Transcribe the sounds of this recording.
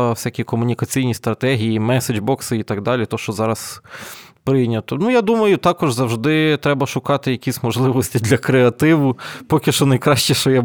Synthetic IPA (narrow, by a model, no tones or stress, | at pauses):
wsʲakʲikɔmʊnʲikɐt͡sʲijnʲist̪ɾɐt̪ɛɦʲijimɛsed͡ʒbɔksɪit̪ɐɡ̚d̪ɑlʲit̪ɔʃt͡ʃɔzɑɾɐs | pɾɪjnʲɐt̪ɔnujad̪umɐjʊt̪ɑkɔʒzɐwʒd̪ɪt̪ɾɛbɐʃʊkɑt̪ɪjɐkʲisʲmɔʒlˠɪʋɔsʲtʲid̪lʲɐkɾeɐt̪ɪʋʊpɔkʲɪʃɔnɐjkɾɑʃt͡ʃɛʃt͡ʃɔja